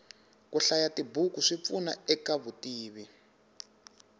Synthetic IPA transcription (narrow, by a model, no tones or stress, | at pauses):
kuɬajatibukuʂip̪funa̰ɛkaβutiːβi